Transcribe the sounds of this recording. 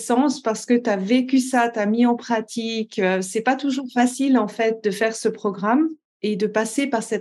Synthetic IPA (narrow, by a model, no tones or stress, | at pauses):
sɑ̃spaʁsə̥kət̪yavekʲysat̪yamiɑ̃pχat̪ʰikøsɛpat̪uʒuːʁfasilɑ̃fɛt̪̚d̪əfɛʁsəpχɔɡʁam | ed̪əpasepaʁsɛt̪